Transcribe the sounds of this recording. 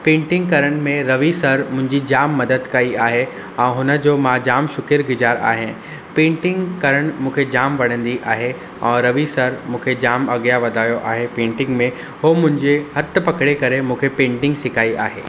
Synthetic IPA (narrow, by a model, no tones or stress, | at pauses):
pẽːɳʈɪ̃ŋɡkɐɾəɽ̃mẽɾɐʋisɐɾmʊ̃ɦɪ̃ɲd͡ʑid͡ʑaːmːɐd̪əd̪kɐiaːɦe | ɛ̃ːɦʊnə̆d͡ʑoːmãːd͡ʑaːmʃʊkɪɾɡɪd͡ʑaːɾa̰ːɦẽ | pẽːɳʈɪ̃ŋɡkɐɾəɽ̃mũːkʰed͡ʑaːmʋɐɽ̤̃ə̃nd̪iʔaːɦe | ɛ̃ːɾɐʋisɐɾmũːkʰed͡ʑaːmɐɡjaʋɐd̪ʱaːjoʔaːɦepẽːɳʈɪ̃ŋɡmẽ | ɦoːmʊ̃ɦɪ̃ɲd͡ʑeɦɐt̪̆pɐkɽekɐɾemũːkʰepẽːɳʈɪ̃ŋɡsɪkʰaːiʔa̰ːɦḛː